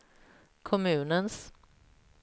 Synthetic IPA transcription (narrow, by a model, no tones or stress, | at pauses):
kʰɔmʉ̟ːnəns